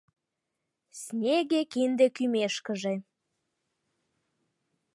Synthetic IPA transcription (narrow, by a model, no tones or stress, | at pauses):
snʲeɣekind̪ekymeʃkəʒe